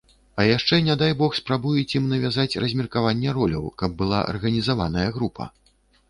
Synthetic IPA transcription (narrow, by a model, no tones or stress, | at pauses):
ɐjaʂt͡ʂɛnʲɛd̪ajbɔxspɾabujɛt͡sʲimnɐvʲazat͡sʲrɐzʲmʲirkavanʲːɛɾɔlʲɐ̰wkɐb̚ːɨlˠa̰ʔɐ̰rɣɐnʲizavanɐjɐɣɾupʰɐ̰